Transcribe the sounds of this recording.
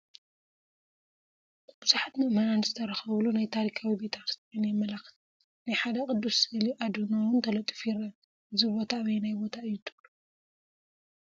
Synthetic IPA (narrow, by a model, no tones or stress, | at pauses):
bɨzuħat̪mɨʔmananzɨt̪ʰɐɾɐxɐβlunajt̪ʰaɾikʰawibet̪ʰaɾst̪ʼiinjɛmːɐlax | najħad̪ɐkʼɨd̪ːusɨliʔad̪unowɨnt̪ʰɐlɐt̪ʼːɨfiɾɐ | ʔɨzibo̞t̪ʰawinajbo̞t̪ʰaɨjːɪt̪ʰɨ̥lu̥